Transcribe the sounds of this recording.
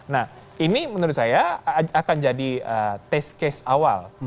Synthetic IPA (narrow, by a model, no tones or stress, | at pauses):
nahinimənəɾʊt̪̚sajaakand͡ʒadiət̪ɛskɛsawa̰l